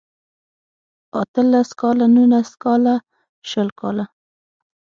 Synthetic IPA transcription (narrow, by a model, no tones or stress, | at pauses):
at̪əlaskɑlanunaskɑla | ʃəlkɑla